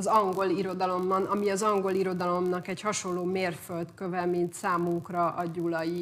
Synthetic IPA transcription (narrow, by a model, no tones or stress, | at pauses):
zɒŋɡo̞liɾo̞d̪ɒlo̞mːɒnɒmiɒzɒŋɡo̞liɾo̞d̪ɒlo̞mnɒkɛchɒʃo̞lːoːmeːrfølt̪kø̞vɛmint̪saːmuŋkrɒʔɒɟulɒji